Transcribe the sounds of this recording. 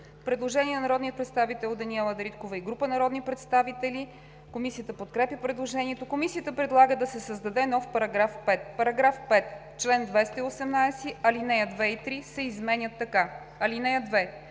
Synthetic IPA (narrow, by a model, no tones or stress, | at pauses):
pɾɛd̪lˠoʒɛniɛnɐnɐɾɔd̪niət̪̚pɾɛt̪st̪avit̪ɛlˠod̪ɐniɛlˠɐd̪ɾit̪kovəiɡɾupənɐɾɔd̪nipɾɛt̪st̪avit̪ɛli | komisijət̪əpot̪̚kɾɛpjʲəpɾɛd̪lˠoʒɛnʲiɛt̪okomisiət̪əpɾɛd̪lˠaɡəd̪ɐsɛsəzd̪ɐd̪ɛnɔfpɐɾɐɡɾafpɛt̪̚pɐɾɐɡɾafpɛt̪ | t͡ʃlɛnd̪vɛst̪əiosɛmnajsiɐlinɛjəd̪vɛit̪ɾisɛizmɛnʲət̪ːɐka | ɐlinɛjəd̪vɛ